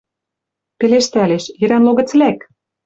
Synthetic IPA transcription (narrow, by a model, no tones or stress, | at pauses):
peleʃt̪æleʃjɘ̆ɾænloɣɤ̆t͡slæk